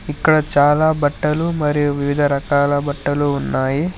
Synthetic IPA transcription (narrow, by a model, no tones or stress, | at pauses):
ikːɐɽɐt͡ʃaːlaːbɐʈːɐlumɐɾijuʋiʋid̪ʱɐɾɐkaːlɐbɐʈːɐluːnːaːji